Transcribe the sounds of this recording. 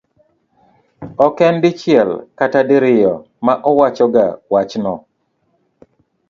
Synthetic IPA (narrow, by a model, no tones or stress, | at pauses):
ɔkɛndɪt͡ʃjɪɛlkatadɪɾɪjɔ̰ | maʔɔwat͡ʃɔɡa̰wat͡ʃnɔ